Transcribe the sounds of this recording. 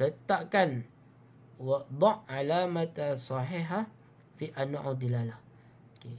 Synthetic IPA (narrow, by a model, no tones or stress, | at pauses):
lət̪aʔkan | wad̪ˤɑʔːalamat̪asˤɑħiɦa | fiʔanwa̰ʕʔad̪ilala | oke